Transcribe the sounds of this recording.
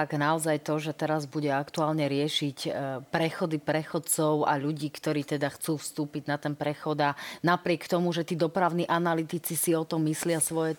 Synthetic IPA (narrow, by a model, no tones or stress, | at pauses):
aɡnaɔzajt̪ɔʒɛt̪ɛɾazbuɟɛakt̪uaːlɲɛɾɪɛʃicpɾɛxɔd̪ipɾɛxɔt̪t͡sɔʊa̰ʎuɟiːkt̪ɔɾiːt̪ɛd̪axt͡suːfst̪uːpiɟnat̪ɛnpɾɛxɔd̪anapɾɪɛkt̪ɔmuʒɛt̪iːd̪ɔpɾaʊniːʔanalit̪it͡sisiɔt̪ɔmːislɪasʋɔjɛ